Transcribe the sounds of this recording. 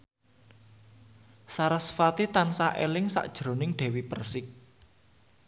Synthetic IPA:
saɾasfat̪it̪ansaʔelɪŋsa̰ʔd̥ʒ̥ɾo̤nɪŋɖ̪̥ɛ̤wipərsɪk̚

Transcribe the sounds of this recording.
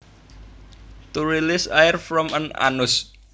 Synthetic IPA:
t̪uɾilɪsaɪrfɾɔməna̰nʊs

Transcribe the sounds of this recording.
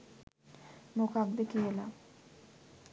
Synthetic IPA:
mokak̚d̪əkijəla

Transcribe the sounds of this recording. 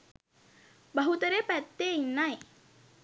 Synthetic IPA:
bɐɦut̪əɾepæt̪ːeinːaj

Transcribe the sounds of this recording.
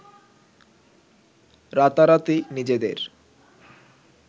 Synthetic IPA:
ɾat̪aɾat̪inid͡ʑed̪ḛɾ

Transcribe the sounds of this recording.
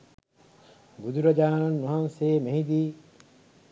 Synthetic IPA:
ɡud̪uɾɐd͡ʒaːnɐnːuɦɐnseːmeɦid̪iː

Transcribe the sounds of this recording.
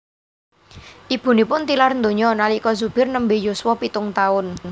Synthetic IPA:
ʔib̥ṳnipʊnt̪ilarnd̪o̤ɲɔnalikɔzub̥ɪ̤rnəmbejoswɔpit̪ʊŋt̪aʊn

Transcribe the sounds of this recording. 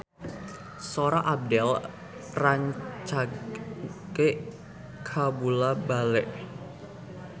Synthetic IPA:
soɾaʔab̚dɛl | raɲt͡ʃa | ke | kʰabulabalɛʔ

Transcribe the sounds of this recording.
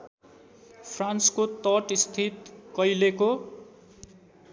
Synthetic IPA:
pʰranskot̪ʌʈist̪ʰit̪kʌjleko

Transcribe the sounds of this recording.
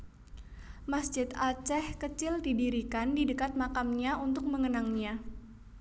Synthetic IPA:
masd͡ʒɪt̪at͡ʃɛhkət͡ʃɪldidiɾikandidəkat̪̚makamɲaunt̪ʊk̚məŋənaŋɲa

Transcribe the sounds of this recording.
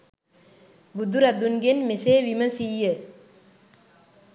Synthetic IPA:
bud̪uɾad̪unɡenmeseʋiməsijə

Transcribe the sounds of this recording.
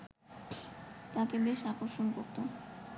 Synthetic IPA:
t̪akebeʃakoɾʃonkoɾt̪o

